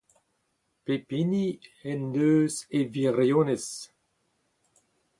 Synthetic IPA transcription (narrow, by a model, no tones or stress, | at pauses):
pepiniɛndøːzeviʁjones